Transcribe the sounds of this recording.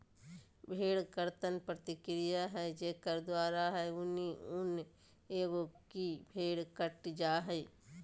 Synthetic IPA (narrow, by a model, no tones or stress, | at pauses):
bʱeːɽkəɾt̪ənpɾət̪ɪkɾɪjaɦɛd͡ʒeːkəɾd̪waːɾaɦɛʊniʊn | eːɡokibʱeːɽkəʈd͡ʒaːɦɛ